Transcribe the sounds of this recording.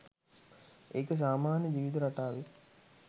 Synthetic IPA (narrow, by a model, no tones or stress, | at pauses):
eːkəs̬aːmaːnjəd͡ʒiːʋid̪uɾaʈaːʋe